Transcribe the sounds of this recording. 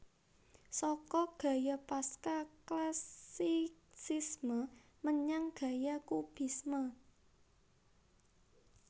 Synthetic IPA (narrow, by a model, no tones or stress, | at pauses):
sɔkɔɡ̥a̤japaskaklasisismə | məɲaŋɡ̥ä̤jakub̥i̤smə